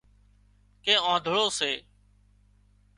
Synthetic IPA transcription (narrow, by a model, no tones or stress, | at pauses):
kẽːãːd̪ʱʊɭoːseː